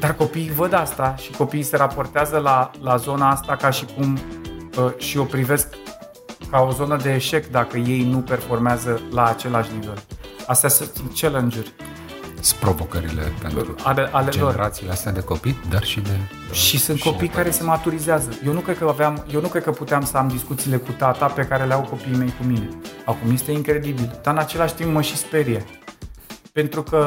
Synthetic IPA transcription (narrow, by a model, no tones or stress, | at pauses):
d̪arko̞piivəd̪ast̪aʃiko̞piːse̞ɾapo̞rt̪eazəlalazo̞naast̪akaʃikuməʃio̞pɾive̞skː | ao̞zo̞nəd̪e̞ːʃe̞kd̪akəje̞jnupe̞rfo̞rmeazəlaːt͡ʃe̞laʃnive̞last̪easunt̪sunt̪̚t͡ʃelend͡ʒurʲ | pɾovokəɾḭlḛpḛnt̪ɾuaeʔaled͡ʒlo̞rɾa̰t̪sieast̪ead̪eko̞pid̪arʃid̪e | ʃisunt̪ko̞pijkaɾe̞se̞mat̪uɾizeazəje̞wnukɾe̞d̪̚kəaveamjewnukɾe̞d̪̚kəput̪eamsəamd̪iskut̪siːle̞kut̪at̪ape̞kaɾe̞leawko̞piːme̞jkumine̞akumje̞st̪e̞iŋkɾe̞d̪ibild̪̥aɨnat͡ʃe̞laʃt̪ĩmpməʃispe̞ɾije̞ | pe̞nt̪ɾukə